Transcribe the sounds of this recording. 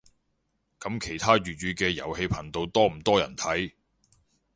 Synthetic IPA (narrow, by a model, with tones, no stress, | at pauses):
kɐ˨˥mkʰe˨˩jt̪ʰaː˥ɥyː˨t̚ɥyː˨kɛː˧jɐ̰˨˩whe˧jpʰɐ˨˩nt̪o˧wt̪ɔː˥m̩˨˩t̪ɔː˥jɐ̰˨˩nt̪ʰɐ˨˥j